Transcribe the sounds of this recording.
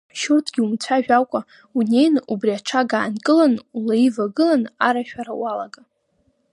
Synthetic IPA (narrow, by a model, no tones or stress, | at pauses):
ʃʊrtʰɡʲiumt͡sʷʰaʒᶣakʷʼa | unejnubriaʈ͡ʂʰaɡaːnkʼɨlanulaivaɡɨlanaɾaʃᶣaɾa̰walaɡa